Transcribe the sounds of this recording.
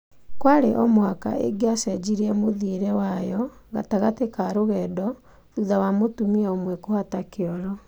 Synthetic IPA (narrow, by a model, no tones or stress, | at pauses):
kwaɾḛʔɔmwaka̰ḛɡeasɛd͡ʒiɾiɛmoðiɾɛwajɔɣa̰taɣatekaɾoɣɛːdɔ | ðuðawamotumiaomwɛkohatakeɔɾɔ